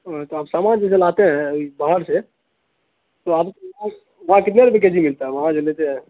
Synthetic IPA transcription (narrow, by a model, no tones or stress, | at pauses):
ot̪oaːpsaːmad͡ʒs̬elat̪eɦɛ̃ibaɦəɾse | t̪oaːpkã | ʋɐɦãkɪt̪neɾbek̬ed͡ʒʱimɪlt̪aɦɛʋɐɦãd͡ʒolet̪eɦɛ̃